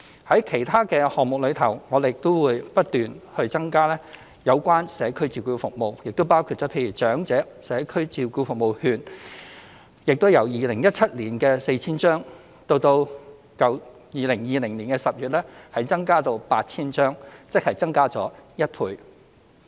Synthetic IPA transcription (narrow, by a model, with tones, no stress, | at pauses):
hɐ˨˥jkʰe˨˩jt̪ʰaː˥kɛː˧hɔː˨k̚mʊ˨k̚lɵ˨˧ɥt̪ʰɐ˨˩wŋɔː˨˧d̪e˨jɪ˨k̚t̪o˥wwuː˨˧jpɐ˥t̚t̪yː˨nhɵ˧t͡sɐ˥ŋkaː˥lɛː˥ | jɐ˨˧wkʷaː˥nsɛː˨˥kʰɵ˥ɥt͡siː˧wkuː˧fʊ˨k̚mo˨wjɪ˨k̚t̪o˥wpaː˥wkʰuː˨˧t̚t͡sɔː˨˥pʰe˧jɥyː˨˩t͡sœː˨˥ŋt͡sɛː˨˥ | sɛː˨˥kʰɵ˥ɥt͡siː˨˧wkuː˧fʊ˨k̚mo˨whyː˧n | jɪ˨k̚t̪o˥wjɐ˨˩wjiː˨˧lɪ˨˩ŋjɐ˥t̚t͡sʰɐ˥t̚liː˨˩nkɛː˧se˧t͡sʰiː˥nt͡ʃœː˥ŋ | t̪o˧wt̪o˧w | kɐ˨˩w | jiː˨˧lɪ˨˩ŋjiː˨˧lɪ˨˩ŋliː˨˩nkɛː˧sɐ˨p̚jyː˨t̚lɛː˥hɐ˨˥jt͡sɐ˥ŋkaː˥t̪o˧wpaː˧t̚t͡sʰiː˥nt͡ʃœː˥ŋt͡sɪ˥k̚hɐ˨˩jt͡sɐ˥ŋkaː˥t͡sɔ̰ː˨˥jɐ˥t̚pʰuː˧j